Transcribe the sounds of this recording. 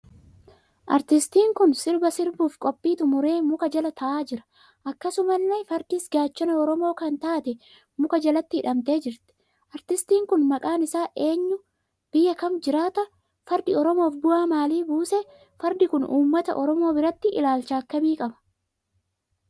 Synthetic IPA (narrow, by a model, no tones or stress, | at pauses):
ʔɐ̰ɾt̪ɪst̪iːŋkʊnsɪɾbɐsɪɾbuːfkʼɔpʼːiːt̪ʊmʊɾe̞ːmʊkɐd͡ʒɐlɐt̪ʰɐʔaːd͡ʒɪɾɐ̥ | ʔɐkːɐsʊmɐlːefɐɾd̪ɪːsɡaːt͡ʃːɔnɐɔɾɔmo̞ːkɐnt̪aːt̪ɛ | mʊkɐd͡ʒɐlɐt̪ːɪɪᶑɐmt̪e̞ːd͡ʒɪɾt̪ɛ̥ | ʔɐɾt̪ɪst̪iːŋkʊnmɐkʼaːnɪsaːʔe̞ːɲːʊ | b̥ɪjːɐkɐmd͡ʒɪɾaːt̪ɐ | fɐɾd̪ɪɔɾɔmo̞ːfɡʊaːmaːliːbuːsɛ | fɐɾd̪ɪkʊnuːmːɐt̪ɐ̰ʔɔɾɔmo̞ːbɪɾɐt̪ːɪʔɪ̰laːlt͡ʃaːkːɐmiːkʼɐbɐ̥